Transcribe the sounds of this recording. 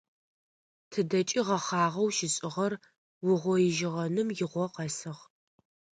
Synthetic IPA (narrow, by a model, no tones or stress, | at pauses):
tʰɨdɐt͡ʃʼiʁɐχɑːʁɐwʃɪɕʼɪʁɐr | wʊʁʷɔjɪʒɪʁɐnɨmjɪʁʷɔqɐsɨʁ